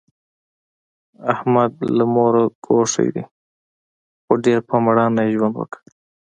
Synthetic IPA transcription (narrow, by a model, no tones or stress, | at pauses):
ahmad̪̚lamoɾaɡoʂḛjd̪ḭ | xoɖeɾpamaɽɑnːajʒwand̪wə̰kə̥